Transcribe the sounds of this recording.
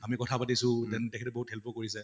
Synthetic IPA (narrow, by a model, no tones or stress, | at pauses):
amikɔtʰapatisʊ̃tɛntɛkʰɛtɛbɔɦuthɛlpɔkoɹis̬ɛ